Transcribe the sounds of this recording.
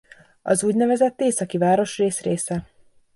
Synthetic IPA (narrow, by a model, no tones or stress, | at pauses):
ɒzuːɟnɛvɛzɛt̪ːeːsɒkivaːɾo̞ʃreːsreːsɛ